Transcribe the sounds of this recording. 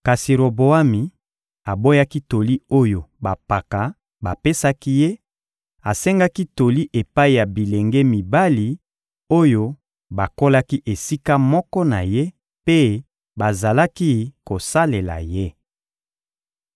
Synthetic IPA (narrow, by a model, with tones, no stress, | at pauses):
ka˨si˨ɾo˨bo˨a˦mi˨ | a˨bo˦ja˦ki˦to˨li˦o˦jo˨ba˨pa˨ka˨ | ba˨pe˦sa˦ki˦je˦ | a˨se˦ŋɡa˦ki˦to˨li˦ʔe˨pa˦i˨ja˨bi˨le˨ŋɡe˦mi˨ba˦li˨ | o˦jo˦ | ba˨ko˦la˦ki˦ʔe˨si˦ka˦mɔ˦kɔ˦na˨je˦ | pe˦ | ba˨za˨la˦ki˦ko˨sa˦le˨la̰˨je˦